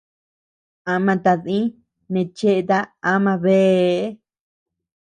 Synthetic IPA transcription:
a˧mã˧t̪a˧ðĩ˦ | nẽ˧t͡ʃe˦ʔe˧t̪a˧a˦mã˧βe˦

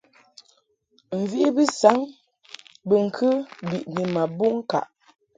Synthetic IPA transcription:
m̩˨vi˦ʔi˦bi˦sa˨˦ŋ | bə˨ŋ̩˨kʰə˦bi˨ʔni˨ma˨bu˦ŋ̩˦ka̰˨ʔ

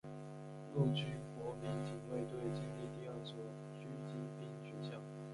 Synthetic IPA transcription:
lu˥˧˩t͡ɕy˥kwɔ˧˥mi˧˥ŋt͡ɕi˨˥ŋwe˥˧ɪt̪we˥˩ɪt͡ɕi˥˧ŋt̪i˥˧t̪i˥˧ɑ˥˩t͡swɔ˥˩ | t͡ɕy˥t͡ɕi˧˥˩p̪i˥˩ŋt͡ɕy˥t͡ɕjɑ˥˩ʊ

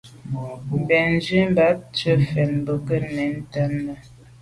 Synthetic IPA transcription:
m̩˨bɛ˨n˦d͡ʒɥi˦m˦ba˨˦t͡ʃə˦fɛ˨n˨bə˨kə˦nɛ˨˦n̩˦ta˦nnə˦

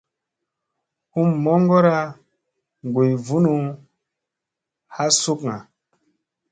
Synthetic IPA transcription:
hu˦mːɔ˦ŋɡɔ˦ɾa˦ | ŋ˨ɡu˨jvu˦nu˨ | ha˦su˦kŋa˨

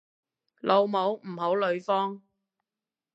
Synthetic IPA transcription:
lʔo˨˧wmo˨˥wm̩˨˩ɦo˨˥wlɵ˨˧ɥfɔː˥ŋ

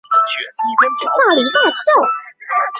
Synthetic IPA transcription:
sa˥˩li˨˧˥t̪a˥˩t͡ɕʰo˥˩ʊ

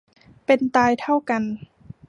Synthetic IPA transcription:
pe˧nt̪aː˧jt̪ʰa˥˩wka˧n

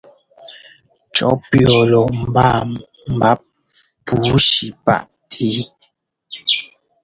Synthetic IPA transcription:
t͡ʃɔ̰˦pjɔ˨lɔ˨m̩˨ba˦˨ | m̩˨ba˦p̚ | pu˨˦ʃi˨pa̰˦˨ʔ | tʰeː˦

